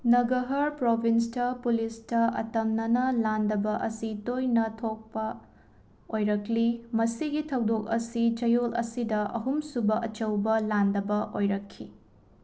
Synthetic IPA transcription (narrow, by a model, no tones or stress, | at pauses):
nɐɡɐɦɐɾpɾobʱinstɐpulistɐɐ̰tɐmnɐnɐlandɐbɐʔɐsitojnɐtʰok̚pɐ | ojɾɐklimɐsiɡitʰɐwdok̚ɐsit͡ʃɐjolɐ̰sidɐʔɐ̰ɦumsubɐʔɐt͡ʃɐwbɐlandɐbɐʔojɾɐkʰːi